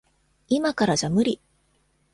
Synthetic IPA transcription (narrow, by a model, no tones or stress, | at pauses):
imakaɾaʑamɯ̟ɾʲi